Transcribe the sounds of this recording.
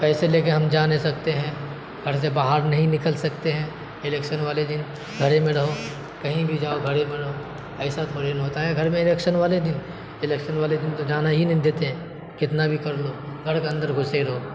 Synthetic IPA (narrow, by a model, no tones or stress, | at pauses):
pɛːseleːk̬eɦɐmd͡ʒaːnesɐk̚t̪eɦɛ̃ː | ɡʱɐɾsebaːɦaɾnɐɦĩnɪkəlsɐkt̪eɦɛ̃ː | ɪlɛːkʃənʋaːled̪ɪn | ɡʱɐɾemẽɽɐɦo | kɐɦĩbʱid͡ʒaːoɡʱɐɾemẽɽɐɦo | ɛːsat̪ʰoːɾenɦoːt̪aɦɛɡʱɐɾmẽɪlɛːkʃənʋaːled̪ɪn | ɪlɛːkʃənʋaːled̪ɪnt̪od͡ʒaːnaɦinɐɦĩd̪eːt̪eɦɛ̃ː | kɪt̪nabʱikɐɾloːɡʱɐɾkeɐ̃nd̪əɾɡʱʊseɾɐɦoː